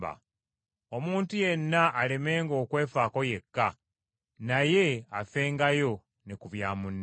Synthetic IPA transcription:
a̰ | omuːntuje̞nːaʔːle̞me̞ːŋɡo̞ːkwe̞ːfaːko̞je̞kːa | naje̞afeːŋɡajo̞ | nekuβjaːmunː

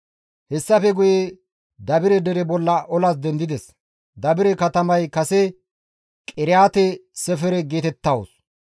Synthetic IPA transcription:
hɛsːɐfɛɡʊje | d̪ɐbɪɾɛd̪ɛɾɛbɔlːɐʔɔlɐs̬d̪ɛnd̪ɪd̪ɛs | d̪ɐbɪɾɛkɐt̪ɐmɐjkɐsɛ | kʼɪɾɪjaːt̪ɛsɛfɛɾɛɡe̞ːt̪ɛt̪ːɐwo̰s

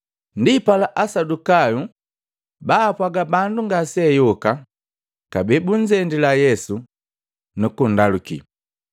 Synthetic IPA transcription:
ndipalaʔasadukaju | baːpwaɡabanduŋɡasɛjɔka | kabɛbuɲd͡ʒɛndilajɛsu | nukun̩dalukḭ

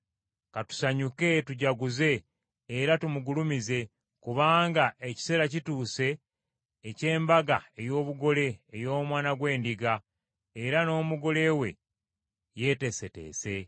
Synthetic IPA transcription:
katu̥saɲuke̞tuɟaɡuze̞ː | ɾatumuɡulumize̞ | kuβaːŋɡaʔe̞ci̥se̞ːɾacituːse̞ː | ce̞ːmbaɡae̞jo̞ːβuɡo̞le̞ːjo̞ːmwaːnaɡwe̞ːndiɡa | eɾano̞ːmuɡo̞le̞we̞̰ | je̞ːte̞sete̞̰ːse̞

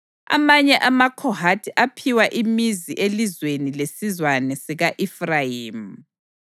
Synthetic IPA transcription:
a̰maɲɛʔamakʰɔhatʰiʔapʰiwaʔimiziʔelizwenilesizwanɛsiɣaʔifrajiːm̩

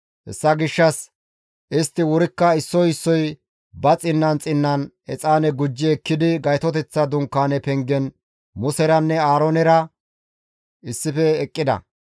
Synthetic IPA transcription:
hɛ̰sːɐɡɪʃːɐs | ʔɪst̪ːɪwʊɾɪkːɐɪsːɔjɪsːɔj | bɐt͡sʼɪnːɐnt͡sʼɪnːɐn | ɛt͡sʼaːnɛɡʊd͡ʒːɪɛkːɪd̪ɪɡɐjt̪ɔt̪ɛt͡sːɐd̪ʊŋkːaːnɛpɛŋɡɛn | mʊsɛɾɐnːɛaːɾɔnɛɾɐ | ɪsːɪfɛːkʼːɪd̪ɐ̰

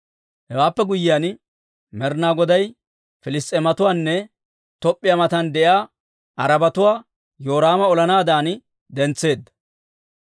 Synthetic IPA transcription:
hɛwaːpːɛɡʊjɪjaːn | mɛɾnaːɡɔd̪ɐj | fɪlɪst̪ʼːɛmɐt̪ʊwaːnːɛ | t̪ɔpʼːɪjɐmɐt̪ɐnd̪ɛjaː | ʔɐɾɐbɐt̪ʊwaː | jo̞ːɾaːmɐɔlɐnaːd̪aːn | d̪ɛnt͡sːe̞ːd̪ːɐ̥

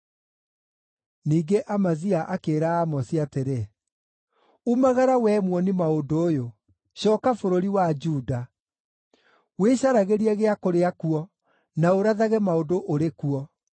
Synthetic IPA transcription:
niːɡeʔamaziaʔakeːɾaːmɔsiateɾe | umaɣaɾawɛːmwɔnimaodoːjo | ɕɔːkafoɾoɾiwad͡ʒuːda | weɕaɾaɣeɾiaɣeakoɾeakuɔ | naoɾaðaɣɛmaodoʔɾekuɔ

